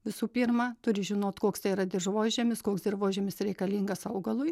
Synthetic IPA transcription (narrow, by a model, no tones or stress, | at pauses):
ʋʲɪsuːpʲiːɾmɑt̪ʊɾʲɪʒʲɪnoːt̪koːkst̪ɐɪiɾɐd̪ʲɪrʒʋoːʒʲɛmʲɪskoːksd̪ʲɪrʋoːʒʲeːmʲɪsɾʲɛɪkɐlʲiːŋɡɐsɐʊɡɐlˠʊj